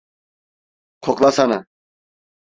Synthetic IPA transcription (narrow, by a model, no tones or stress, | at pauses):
kʰɔkʼlasana̰